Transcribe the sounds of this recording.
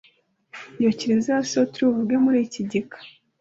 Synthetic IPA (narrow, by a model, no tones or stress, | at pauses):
jociɾiziasotuɾuvuɡemuɾiːciɟikʰḁ